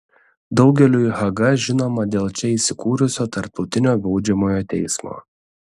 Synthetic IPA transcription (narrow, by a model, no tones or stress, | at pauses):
d̪ɒʊɡʲɛlʲuːiɦɐɡɐʒʲɪnoːmɐd̪ʲeːlˠt͡ʃʲɛiːsʲɪkuːɾʲʊsʲoːt̪ɐɾp̚t̪ɒʊt̪ʲɪnʲoːbɐʊd͡ʒʲɛmoːjoːt̪ʲɛɪsmo̰ː